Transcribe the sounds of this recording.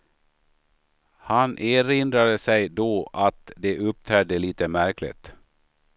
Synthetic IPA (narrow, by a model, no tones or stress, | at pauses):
hanʔeːɾɪnd̪ɾad̪əsɛjd̪oːʔat̪d̪ɛʔɵp̚t̪ʰæːɖəliːt̪əmæɾklɪ̰t̪